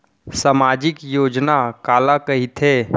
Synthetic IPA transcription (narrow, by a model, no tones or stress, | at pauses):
samaːd͡ʒɪkjoːd͡ʒnakaːlakɐɦit̪ʰeː